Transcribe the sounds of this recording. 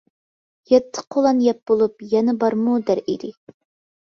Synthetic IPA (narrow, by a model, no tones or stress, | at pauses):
jɛt̪ʰːə̥qʰolˠɑnjɛp̚b̥olˠup̚jɛnɛbɑɾmud̪æɾid̪ɪ